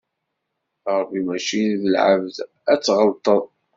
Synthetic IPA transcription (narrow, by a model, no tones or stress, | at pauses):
ɾˤbimæʃinðəlʕə̰vð | æt͡sːʁəlt̪ˤəðˤ